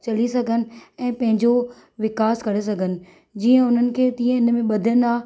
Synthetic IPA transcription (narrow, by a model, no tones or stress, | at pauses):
t͡ɕɐlisɐɡʱənɪ̆ɛ̃ːpɐ̃ɦɪ̃ɲd͡ʑo | ʋɪkaːskɐɽes̬ɐɡʱənɪ̆ | d͡ʑiːə̃ʊn̤ənɪ̆kʰeːt̪ĩːə̃ɪnmẽɓɐd̪ʱə̃nd̪aː